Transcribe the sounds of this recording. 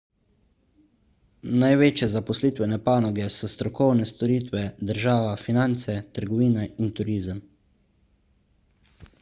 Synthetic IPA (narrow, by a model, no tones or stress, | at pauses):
najʋeːt͡ʃjɛzapɔsliːt̪ʋɛnɛpaːnɔɡɛsɔst̪ɾɔkɔwnɛst̪ɔɾiːt̪ʋɛd̪əɾʒaːʋafinant̪sɛt̪əɾɡɔʋiːnɛint̪uɾiːzəm